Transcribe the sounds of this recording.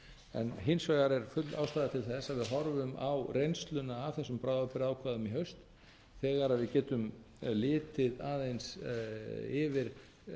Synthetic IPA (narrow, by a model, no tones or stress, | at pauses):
ɛ̰nɦɪnsvaːɣaɾɛɾ̥fʏt̪la̰wst̪aːðat̪ʰɪlθɛsːaðvɪðɦɔɾvʏmawrejnst̪lʏnaːvθɛsːʏmpɾawðapɪɾaːwkʰvaːðʏmiɦœɥst̪ | θɛːɣaɾaðvɪðcɛːt̪ʏm | lɪːt̪ɪðaːðejns | ɪvɪɾ̥